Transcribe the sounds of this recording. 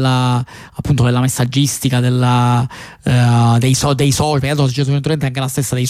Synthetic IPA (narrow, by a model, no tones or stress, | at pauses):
lːa | apːunt̪od̪elːamesːad͡ʒːist̪ikad̪elːa | d̪ejsɔd̪ejsɔpkːat̪ost͡ʃːet̪̬umenuɾment̪aŋk̬elast̪esːad̪ejs